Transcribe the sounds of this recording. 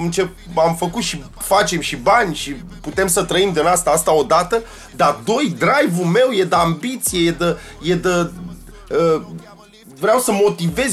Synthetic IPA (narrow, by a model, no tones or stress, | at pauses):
ɨnt͡ʃe̞p̚amfəkut̪ʃi | fat͡ʃe̞mʃibanʲʃi | put̪e̞msət̪ɾəimd̪ɨnast̪aast̪ao̞d̪at̪ə | d̪ad̪o̞jd̪ɾajvume̞wje̞d̪əambit̪sijejed̪ə | je̞d̪ə | ə | vɾeawsəmo̞t̪ive̞z